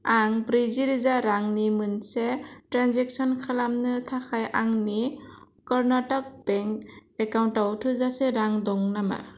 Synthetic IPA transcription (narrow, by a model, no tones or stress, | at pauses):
aŋbɾiziɾɯzaɾaŋnimɯnsetɾanzɛksɔnkʰalamnɯtʰakʰajʔaŋni | kɔɾnatɔk̚b̥ɛŋkɛkawntawtʰuzasɛɾaŋdɔŋnama̰